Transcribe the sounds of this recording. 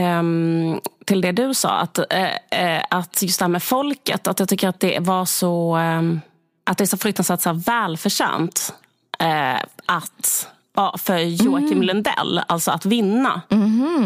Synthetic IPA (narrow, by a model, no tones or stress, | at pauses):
t̪ʰɪld̪ɛd̪ɵsɑ̰ːa̰t̪ | at̪jɵst̪ɛhæɾmɛfɔlkə̰t̪at̪jɑɡ̚t̪ʏkːəɾat̪̚d̪ɛvaʂɔ | ʔat̪d̪ɛæʂɔfɾɵk̚t̪ansvæːʈ̪sæːvɛːlfœʂɛ̰ːnt̪ | ʔat̪ | ɑfœɾjuːakɪmlɵnd̪ɛ̰lːa̰lt̪sɔat̪vɪnːa̰